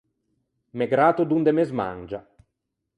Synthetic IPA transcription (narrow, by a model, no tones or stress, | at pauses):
meɡɾaːt̪od̪und̪emezma̰nd͡ʒa